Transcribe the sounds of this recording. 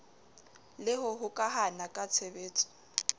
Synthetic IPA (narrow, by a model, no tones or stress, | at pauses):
lɪɦʊɦʊkʼaɦanakʼat͡sʰebeːt͡sʼɔ̥